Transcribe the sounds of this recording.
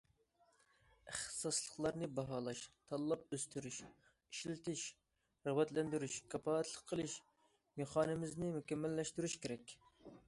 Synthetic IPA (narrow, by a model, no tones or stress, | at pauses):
ɪχt̪ɨ̥sɑslˠəqlˠɑɾnɨbɑɦɑːlˠɑʃt̪ʰɑlˠːɑp̚øst̪ʰyɾyʃ | iʃlɪt̪ʰɪʃ | ɾɑwɛt̪lɛnd̪yɾyʃkʰʲɑpɑːɛt̪ʰlˠəqʰːəlˠɨʃ | meχɑːnɪmɪznɪmukʲɛmːælːɛʃt̪yɾyʃkʲeɾɛkʲ